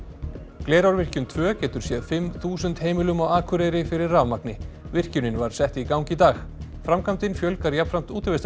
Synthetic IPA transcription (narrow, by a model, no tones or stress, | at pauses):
kleːɾawɾvɪr̥cʏnt̪ʰvœːcɛːt̪ʏɾ̥sjɛðfɪmθuːsʏnt̪heːjmɪlʏmɔɣaːkʰʏɾeːjɾɪfɪɾɪrːaːvmaknɪ | vɪr̥cʏnɪnvaɾ̥sɛht̪ikawŋcɪit̪aːxfɾamkʰamt̪ɪnfjœlkaɾjapfɾam̥t̪uːt̪ɪɾvest̪